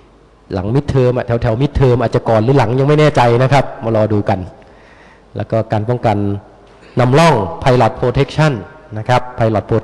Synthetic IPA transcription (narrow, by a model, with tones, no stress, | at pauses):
la̰˩˦ŋmi˦˥t̪ʰːɤː˧mʔaː˨˩t̪ʰɛ˩˦wt̪ʰɛ˨˩˦wmi˦˥t̪ʰːɤː˧mʔaː˨˩t̪̚t͡ɕa˨˩kɔː˨˩nlɯː˩˦la˩˦ŋja˧ŋma˥˩jnɛː˥˩t͡ɕa˧jna˦˥kʰa˦˥p̚maː˧lɔː˧duː˧ka˧n | lɛ̰ː˦˥wkɔː˥˩kaː˧npɔ˥˩ŋka˧nː | a˧mlɔ˥˩ŋpʰa˧jlɔ˨˩t̪̚pʰɾoː˧t̪ʰe˦˥k̚t͡ɕʰa˥˩nːa˦˥kʰa˦˥pʰːa˧jlɔ˨˩t̪̚pʰoː˧